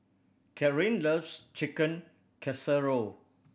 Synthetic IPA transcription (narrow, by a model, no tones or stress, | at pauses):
kʰɛɹĩnləfst͡ʃikə̃n | kʰɛsəɹo